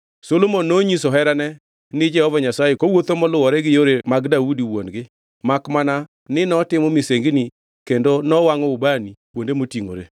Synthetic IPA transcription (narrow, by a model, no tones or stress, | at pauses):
solomonːoɲisɔɦɛɾanɛ | nɪd͡ʒɛhɔvɔɲasajekowot̪omɔlʊwɔɾɛɡɪjoɾemaɡdaudiwonɡɪ | makmana | nɪnɔtɪmɔmɪseŋɡni | kendonɔwaŋɔʊbanipwondemotiŋo̰ɾḛ